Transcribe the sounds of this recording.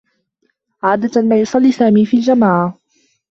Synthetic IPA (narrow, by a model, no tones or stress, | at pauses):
ʕaːd̪amaːjʊsˤɑlːiːsaːmiːfiːld͡ʒamaːʕa